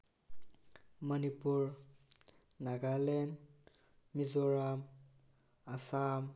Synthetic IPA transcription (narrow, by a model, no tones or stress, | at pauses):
mʌnipuɹ | naɡalɛn | mizɔɹam | asam